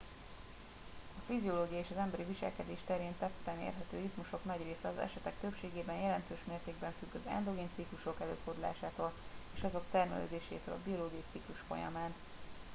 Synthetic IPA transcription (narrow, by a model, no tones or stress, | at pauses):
ɒfizioloːɡijɒeːʃɒzɛmbɛɾiviʃɛ̰lkɛd̪eːʃt̪ɛɾeːnt̪ɛt̪ːɛnḛːrɦɛt̪ø̰ːrit̪muʃo̞knɒɟreːsɛɒzɛ̰ʃɛt̪ɛk̚t̪øpʃeːɡeːbɛnjɛlɛnt̪øːʃmeːrt̪eːɡbɛɱfyɡːøzø̰ɛ̰nd̪o̞ɡeːnt̪sikluʃo̞kɛlø̰ːfod̪ula̰ːʃaːt̪oːleːʃɒzo̞kt̪ɛrmɛ̰lø̰ːd̪eːʃḛːt̪ø̰ːlɒbio̞loːɡijɒit̪sikluʃfo̞̰jɒ̰maːn